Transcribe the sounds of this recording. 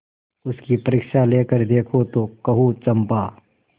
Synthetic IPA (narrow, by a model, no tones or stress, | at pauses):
ʊskipɐɾɪkʃaleːkəɾd̪eːkʰot̪oːkɐɦuːt͡ʃɐmpaː